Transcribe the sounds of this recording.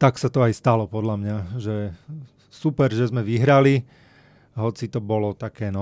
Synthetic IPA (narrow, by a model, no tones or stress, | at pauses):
t̪aksat̪ɔajst̪alɔpɔd̪lamɲaʒɛ | supɛɾʒɛzmɛʋiɦɾali | ɦɔt͡sit̪ɔbɔlɔt̪akɛːnɔ